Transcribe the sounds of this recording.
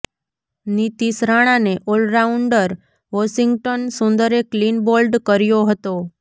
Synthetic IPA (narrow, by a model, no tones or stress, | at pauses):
nit̪isɾaɽ̃aneʔolɾauɳɖəɾ | ʋɔʃiŋɡʈonsʊ̃nd̪əɾeklinbolɖkəɾjoɦət̪o